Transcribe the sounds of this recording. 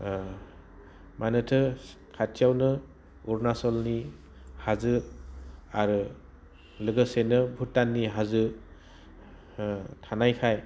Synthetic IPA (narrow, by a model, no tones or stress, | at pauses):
manɯtʰɯ | kʰatʰijawnɯ | uɾnasɔlni | hazɯ | aɾɯ | lɯɡɯsenɯbʱutːanːiɦazɯ | tʰanajkʰaj